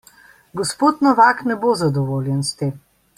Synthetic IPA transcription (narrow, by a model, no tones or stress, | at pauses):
ɡɔspoːt̪nɔʋaːknɛbozad̪ɔʋoːljɛnst̪eːm